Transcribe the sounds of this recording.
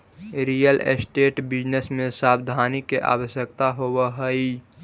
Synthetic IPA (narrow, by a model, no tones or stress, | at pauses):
ɾijəlḛsʈeːʈbɪd͡ʒnesmẽsaːbd̪ʱaːnikːeʔa̰ːwəsjək̚t̪aɦowəɦəi